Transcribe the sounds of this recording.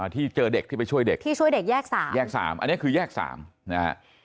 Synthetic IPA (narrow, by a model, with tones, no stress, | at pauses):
t̪ʰiː˥˩t͡ɕɤː˧de˨˩k̪̚ʰiː˥˩a˧jt͡ɕʰu˥˩əjde˨˩k̚t̪ʰiː˥˩u˥˩əjde˨˩k̚jɛː˥˩k̚saː˩˦mjɛː˥˩k̚sa̰ː˩˦mʔnːi˦˥əkʰɯː˧jɛː˥˩k̚sa̰ː˩˦mna̰˦˥